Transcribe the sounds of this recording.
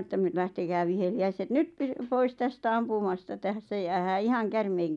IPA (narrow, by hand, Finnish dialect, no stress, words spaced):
etːæ m læhtekæː ʋiheliæiset nyt py pois tæstæ ɑmpumɑstɑ tæsːæ jæːhæː ihɑŋ kærmeiŋ